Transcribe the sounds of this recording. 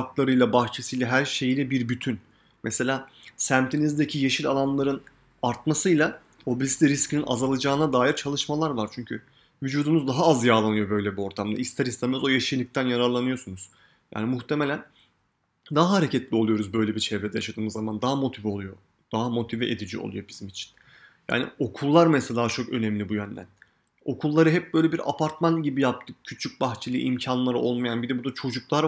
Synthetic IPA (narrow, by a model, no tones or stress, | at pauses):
aklˠaɾɯjlˠabaxt͡ʃʰesɯjlʲˠɛɦæɾʃe̞jilʲɛbiɾbyt̪ʰyn | mʔese̞lʲaː | sæmt̪ʰenizd̪ecʰijeʃilʲalˠanlˠaɾɯn | aɾt̪̚masɯjlˠa | o̞bislʲiɾiscʰinina̰zalˠad͡ʒaːɯnad̪aːjiɾt͡ʃʰalˠɯʃmalˠaɾvaɾt͡ʃʰyɲcʰy | vyd͡ʒuːd̪umuzd̪aɦaazjaːlˠanɯjo̞bø̞jlʲɛbio̞ɾt̪ʰamd̪a̰ist̪ʰɛɾist̪ɛmzo̞jeʃilʲic̚t̪ʰænjaɾaɾlˠanɯjo̞sunuz̥ | ja̰ːnimuxt̪ʰe̞melʲæn | d̪aɦaɦaɾe̞cɛt̪lʲio̞lˠujo̞ɾuzbø̞jlʲɛbit͡ʃʰɛvɾed̪ɛjaʃad̪ɯːmɯzːamand̪aɦamo̞t̪ʰivɛo̞lˠujo | d̪̥aɦamo̞t̪ʰivɛʔed̪id͡ʒḭo̰lˠṵjo̞bizimit͡ʃʰi̥n | ja̰ːnḭo̞kʰulˠːaɾmɛslaːt͡ʃʰo̞kø̞nɛmlʲibujønd̪æ̰n | o̞kʰulˠːaɾɯɦɛp̚bø̞jlʲɛbiɾa̰pʰaɾt̪manɟibijap̚t̪ʰɯkcʰyt͡ʃʰyc̚baxt͡ʃʰilʲˠɯ̰ːʔimcʰanlˠaɾɯʔo̞lˠmajanbid̪ɛbud̪at͡ʃʰo̞d͡ʒuklˠaɾ